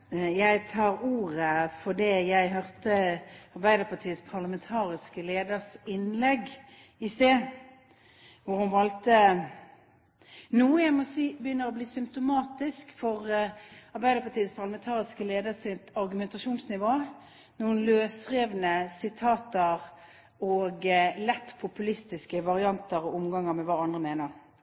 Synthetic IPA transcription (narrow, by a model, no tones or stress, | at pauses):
jæɪt̪ʰɑːʁuːʁəfɔd̪ɛjæɪɦœʁt̪əɑʁbæɪd̪əʁpʰɑt̪ʰiːəspʰɑʁləmɛnt̪ʰɑːʁɪskəleːd̪əʁsɪnlɛɡ | ɪst̪eː | ʋʊʁhʊnʋɑlt̪ə | nuːəjæɪmɔsiːbəjʏnːəʁɔbliːsʏmp̚t̪ʊmɑːt̪ɪskfɔʁɑɾbæɪd̪əpʰɑt̪ʰiːətspʰɑʁləmɛnt̪ʰɑːʁɪskəleːd̪əʁsɪt̪ɑɾɡʉmɛnt̪ɑʃuːnsnɪʋoː | nuːnløːsʁeːʋnəsɪt̪ʰɑːt̪əʁ | ɔːɡlɛt̪ːpʰʊpʉlɪst̪ɪskəʋɑʁɪɑnt̪əʁɔʊmɡɑŋːəʁmɛʋɑːɑnd̪ʁəmeːnəʁ